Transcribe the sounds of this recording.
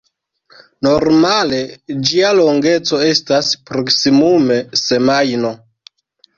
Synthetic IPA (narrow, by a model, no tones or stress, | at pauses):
no̞ɾmale̞d͡ʒialo̞ŋɡe̞t͡so̞e̞staspɾo̞ksimume̞se̞majno̞